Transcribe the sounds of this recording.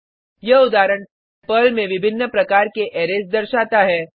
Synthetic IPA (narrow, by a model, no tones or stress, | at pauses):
jeʊd̪aːɾəɳ̃ | pəlmẽʋɪbʱɪnːəpɾɐkaːɾkeʔɛːɾesd̪ɐɾʃaːt̪aɦɛː